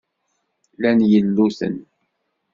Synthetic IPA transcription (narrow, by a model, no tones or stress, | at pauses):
lænjəlːuθə̰n